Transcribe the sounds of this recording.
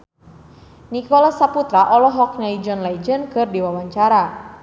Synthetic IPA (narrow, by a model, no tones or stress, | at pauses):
nikɔlasaput̪ɾaʔɔlɔɦɔk̚ɲaid͡ʒɔnlaid͡ʒənkɨrdiwawaɲt͡ʃaɾa